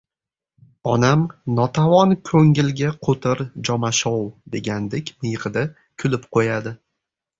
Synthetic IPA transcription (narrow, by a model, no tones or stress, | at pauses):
ɒnamnɒt̪ʰavɒnkʰɵŋɪlɡʲaqʰot̪ʰɪɾd͡ʒɒmaʃɒwd̪e̞ɡʲand̪ekʲmɪjʁɨd̪a | kʲʰʊlɪpqʰojad̪ɪ